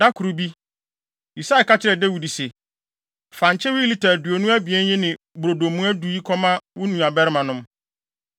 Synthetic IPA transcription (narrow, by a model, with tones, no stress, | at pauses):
da˦kʰʊ˨ɾu˨bi˦ | i˨sa˦ɛ˨ka˦t͡ɕʰɪ˦ɾɛ˨dɛ˦wu˨di˨se˨ | fã˨ɲ˨t͡ɕʰɛ˦wʊ˦i˦li˦˨tʰa˨du˨o˨nũ˦æ˦bi˨ɛ˦n˦jɪ̃˦nɪ̃˨ | bɾo˨do˨mũ˦æ˦du˨i˦kʰɔ˦mã˦wʊ˦nũ˨a˨bɛ˦ɾɪ˦mã˨nʊ̃˦m